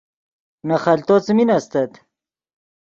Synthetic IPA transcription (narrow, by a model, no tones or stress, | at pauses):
nɐχɐlt̪ot͡sminast̪ɐt̪